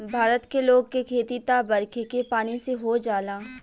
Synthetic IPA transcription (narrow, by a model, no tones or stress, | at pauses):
bʱaːɾət̪keloːɡ̚kekʰeːt̪it̪abɐɾkʰekepaːniseɦod͡ʒaːlaː